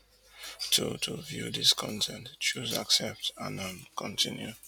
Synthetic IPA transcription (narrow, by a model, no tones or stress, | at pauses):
tʰotʰuvjṵðiskʰɔ̃ntʰɛ̃ntt͡ʃuzaksɛp̚tã̰nɔ̃nkʰɔ̃ntʰĩnju